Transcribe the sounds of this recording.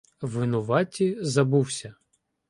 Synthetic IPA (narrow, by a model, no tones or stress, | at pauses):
ʋːɪnʊʋɑtʲizɐbuwsʲɐ